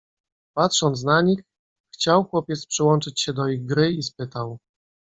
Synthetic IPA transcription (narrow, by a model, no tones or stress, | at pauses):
pat̪ʂɔnt̪s̬naɲix | xt͡ɕawxwɔpʲjɛt̪spʂɘwɔnt͡ʂɘt͡ɕɕɛd̪ɔiɣɡɾɘispɘt̪aw